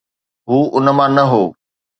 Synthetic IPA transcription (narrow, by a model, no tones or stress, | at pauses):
ɦuːʔʊnə̆mãnɐɦoː